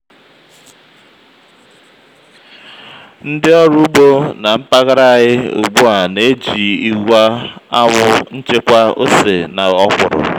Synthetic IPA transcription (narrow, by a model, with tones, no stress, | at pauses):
n̩˦dɪ˦ɔ˦ɾʊ˦bo˦na˨m̩˦pa˦ɣa˦ɾa˦˨a˨ɲɪ˦ʊ̰˨ɡ͡bu˦a˨ne˦d͡ʒi˨i˨ɡʷa˦a˦ŋʊ˦n̩˦t͡ʃe˦kʷa˦o̰˦se˨na˨ɔ˦kʷʊ˨ɾʊ̰˨